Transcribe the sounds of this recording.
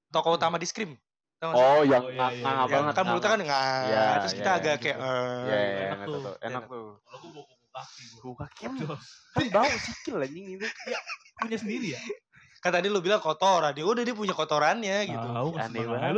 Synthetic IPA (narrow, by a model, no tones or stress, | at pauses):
t̪okɔut̪amadiskɾɪm | t̪aɔjaŋaaŋajaŋəkanmulut̪akanŋaat̪ɾʊskit̪aːɡakajaʔəjajŋa̰ḛnak̚t̪u | kkakiad͡ʒabausikɪllaɲiŋit̪ujapuɲasəndiɾi | kat̪adilubilaŋkot̪ɔɾaniudahdiap̬uɲakot̪oɾanɲaɡiṵneba